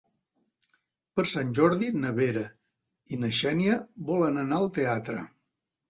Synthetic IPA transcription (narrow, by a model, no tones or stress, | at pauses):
pəɾsanʲʒɔɾðinəβeɾə | inəʃɛniəβɔlənənaəlˠt̪eat̪ɾə